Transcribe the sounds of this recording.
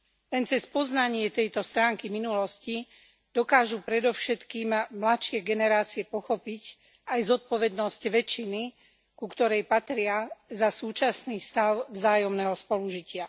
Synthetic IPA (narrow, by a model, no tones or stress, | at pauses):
lɛnt͡sɛspɔznaɲɪɛt̪ɛjt̪ɔst̪ɾaːŋkiminulɔsci | d̪̥ɔkaːʒupɾɛd̪ɔʊʃɛt̪kiːmmlatʃɪɛɡɛnɛɾaːt͡siɛpɔxɔpic | ajzɔt̪̚pɔʋɛd̪nɔscʋɛt͡ʃːini | kukt̪ɔɾɛjpat̪ɾɪazasuːt͡ʃasniːst̪aʊvzaːjɔmnɛːɦɔspɔluʒicɪa